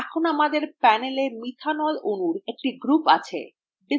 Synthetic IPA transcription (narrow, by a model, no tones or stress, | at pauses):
kʰonamad̪eɾpɛnelemit̪ʰanɔlonuɾek̚ʈiɡɾupat͡ɕʰḛ | bi